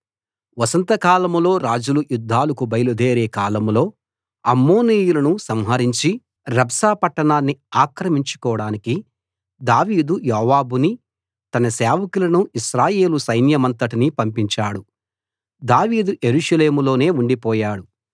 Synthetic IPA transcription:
ʋɐsɐnt̪ɐkaːlɐmlo̞ːɾaːd͡ʒulujud̪ʱːaːlɐkubɐjɐlud̪eːɾeːkaːlɐmlo̞ː | ɐmːo̞ːniːjulɐnusɐmɦɐɾiɲt͡ʃi | ɾɐbsaːpɐʈːɐɳaːnːiaːkɾɐmiɲt͡ʃu̥kɔːɐɽaːniki | d̪aːʋiːd̪ujɔːʋaːbuni | t̪ɐnɐsɛːʋɐkulɐnuʔiʃɾaːje̞ːlusɐjnjɐmɐnt̪ɐʈinipɐmpiɲt͡ʃaːɽu | d̪aːʋiːd̪uʔe̞ɾuʃɐle̞ːmulo̞ːne̞ːuɳɖipɔːjaːɽu

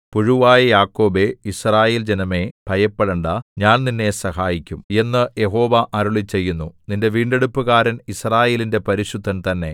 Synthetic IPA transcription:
puɻuʋaːjɐjaːkːo̞ːbe̞israːjeːld͡ʑenɐme̞b̥ʱɐjɐpːɐɭɐɳɖaɲaːnninːe̞sɐhaːjikʲːume̞nːɨje̞ɦo̞ːʋɐʔɐɾuɭit͡ɕe̞jːunːuninde̞ʋiːɳɖe̞ɽupːɨɣaːɾɐnisraːje̞ːlinde̞pɐɾiɕud̪ʱːɐnt̪ɐnːe̞̰

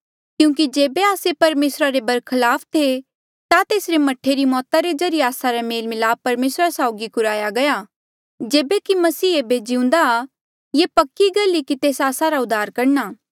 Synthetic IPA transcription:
kjũːkid͡ʒeːbeaːsepɐɾmeːsɾaɾebɐɾkʰɐlaːpʰt̪ʰe | t̪at̪eːsɾemɐʈʰːeɾimɔːt̪aɾed͡ʒɐɾijeaːsaɾameːlmɪlaːb̚pɐɾmeːsɾasaːʊɡikʊɾaːjaɡɐja | d͡ʒeːbekimɐsiːeːbed͡ʒiʊ̃ːnd̪a | jepɐkːiɡɐlːikit̪eːsaːsaɾaʊd̪ʱaːɾkɐɾnaː

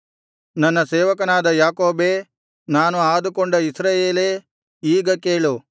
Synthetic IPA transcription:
nɐnːɐseːʋɐkɐnaːd̪ɐjaːkoːbeː | naːnuaːd̪ukoɳɖɐisɾaːjeːleː | iːɡɐkeːɭu

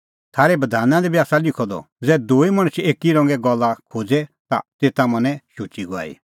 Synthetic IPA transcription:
t̪ʰaːɾɛbɐd̪ʱaːnãd̪ɛbʱiaːsalɪkʰɔd̪ɔ̰ | d͡zɛːd̪oːimɐɽ̃ət͡ʃʰeːkiɾɔ̃ːŋɡɛɡɔlːakʰoːd͡zɛt̪a̰t̪eːt̪amɐnɛ̃ʃut͡ʃiɡɔa̰ːḭ

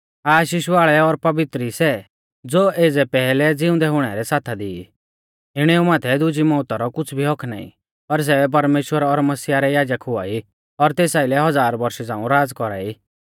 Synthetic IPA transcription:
aːʃiʃʋaːɭɛɔɾpɐbɪt̪ɾisɛ | d͡zoːeːd͡zɛpɛːlɛd͡zɪʊ̃nd̪ɛɦʊɽ̃ɛɾɛsaːt̪ʰad̪ɪi | ɪɽ̃ɛːumaːt̪ʰɛd̪ʊd͡ʒimɔːt̪aɾɔkʊt͡sʰbʱiɦɔkʰna̰ːḭ | pɐɾs̬ɛbɛp̬ɐɾmeːʃwəɾɔɾmɐsijaɾɛjaːd͡ʒəkɦʊa̰ːi | ɔɾt̪eːsaːilɛɦɔd͡zaːɾbɐɾʃɛd͡zãːũɾaːd͡zkɔɾa̰ːi

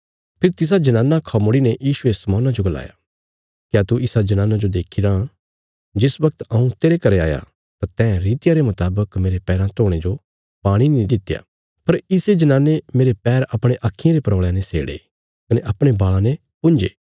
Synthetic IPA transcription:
pʰɪɾt̪ɪs̬ad͡ʒɐnaːnakʰɐmoɽinɛjiːʃuesɐmɔːnad͡ʒoɡɐla̰ːja̰ | kjaːt̪uɪsad͡ʒɐnãːnad͡ʒod̪eːkʰiɾa | d͡ʒɪsʋɐk̚t̪ɐũt̪eːɾekɐɾea̰ːja̰ | t̪at̪ɛ̃ːɾiːt̪ɪjaɾemɐt̪aːbəkmeːɾepɛːɾãt̪oːɽ̃ed͡ʒo | baːɽ̃inĩd̪ɪt̪ːja̰ | pɐɾɪsed͡ʒɐnãːnemeːɾepɛːɾɐpɽ̃eʔaːkʰːɪjãɾepɾɐːɭjãnesḛːɽḛ | kɐneʔɐpɽ̃ebaːɭãne | pʊ̃nd͡ʒḛː

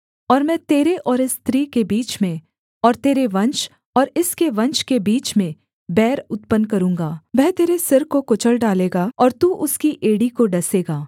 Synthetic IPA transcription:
ɔːɾmɛ̃ːt̪eːɾeʔɔːɾɪst̪ɾiːkebiːt͡ʃmẽ | ɔːɾt̪eːɾeʋɐ̃nt͡ʃ | ɔːɾɪskeʋɐ̃nt͡ʃkebiːt͡ʃmẽ | bɛːɾʊt̪pənkɐɾũːŋɡaːʋɛɦt̪eːɾesɪɾkokʊt͡ʃəlɖaːleːɡaːɔːɾt̪uːʔʊskiʔeːɽikoɖɐseːɡaː

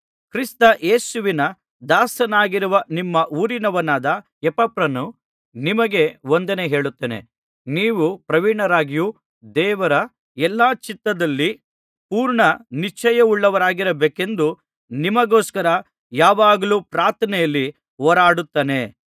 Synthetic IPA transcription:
kɾist̪ɐʔeːsuʋinɐ | d̪aːsɐnaːɡiɾuʋɐnimːɐʔuːɾinɐʋɐnaːd̪ɐ | ɛpɐpɾɐnu | nimɐɡe̞ond̪ɐneɦe̞ːɭut̪ːeːnḛ | niːʋupɾɐʋiɳɐɾaːɡiju | d̪ɛːʋɐɾɐ | ɛlːaːt͡ʃit̪ːɐd̪ɐlːi | puːɾɳɐnit͡ʃːɐjɐuɭːɐʋɐɾaːɡiɾɐbeːke̞nd̪u | nimɐɡoːskɐɾɐ | jaːʋaːɡɐluːpɾaːɾt̪ʰɐnɛjɐlːi | ɔːɾaːɽut̪ːeːne̞

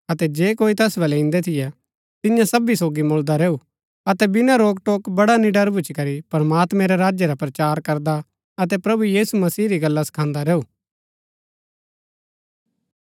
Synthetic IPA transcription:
ɐt̪ɛd͡ʒeːkoːit̪ɐsbɐlɛɪ̃ːnd̪ɛt̪ʰɪjɛ | t̪ɪjãsɐbisoːɡimʊːld̪aɾɛːu | ɐt̪ɛbɪnaɾoːɡ̚ʈoːkbɐɽanɪɖəɾbʊt͡ʃkɐɾipɾəmaːt̪mɛ̃ɾɛɾaːd͡ʒjɛɾapɾɐt͡ʃaːɾkɐɾd̪a | ɐt̪ɛpɾɐbujiːsumɐsiːɾiɡɐlːasɐ̥kʰãːnd̪aɾɛːuː

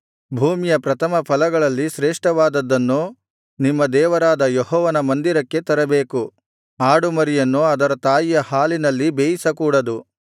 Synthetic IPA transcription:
bʱuːmijɐpɾɐt̪ʰɐmɐpʰɐlɐɡɐɭɐlːiʃɾeːʂʈɐʋaːd̪ɐd̪ːɐnːu | nimːɐd̪ɛːʋɐɾaːd̪ɐjɔɦɔːʋɐnɐmɐnd̪iɾɐkːe̞t̪ɐɾɐbeːku | aːɽumɐɾijɐnːuɐd̪ɐɾɐt̪aːjijɐhaːlinɐlːibeːjisɐkuːɽɐd̪u

